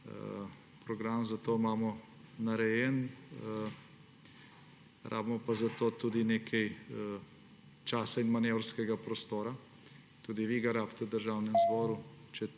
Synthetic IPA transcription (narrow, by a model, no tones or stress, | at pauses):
pɾɔɡɾaːmzat̪oːmaːmɔ | naɾɛjɛn | ɾʔa̰ːbmɔpazat̪oːt̪uːd̪ineːkʰɛj | t͡ʃaːsainmanewɾskɛɡapɾɔst̪oːɾa | t̪uːd̪iʋiɡaɾaːpt̪ɛd̪əɾʒaːwnɛmzbɔːɾut͡ʃɛ